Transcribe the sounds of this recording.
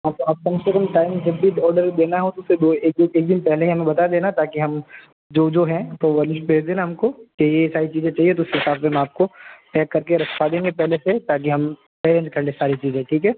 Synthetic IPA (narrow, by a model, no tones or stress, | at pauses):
ɦãːt̪oaːp̚kɐmsekɐmʈaːɪmd͡ʒɐbʱːiɔːɾɖəɾd̪eːnaɦõt̪oʊsed̪oːeːk̚d̪eːk̚d̪ɪnpɛɦleĩɦɐmẽbɐt̪aad̪eːnat̪aːkiɦɐm | d͡ʒoːd͡ʒoːɦɛ̃t̪oʋɐlɪʃbʱeːd͡ʒd̪eːnaɦɐmkokejesaːɾit͡ʃiːzẽt͡ʃaːɦiet̪oʊskeɪsaːfseɦɐmaːp̚koʈɛːkːɐɾkeɾɐkʰpad̪ẽːŋɡepɛɦleset̪aːk̬iɦɐm | peːɾẽːnd͡ʒkɐɾlesaːɾit͡ʃiːzẽʈʰiːkɦɛː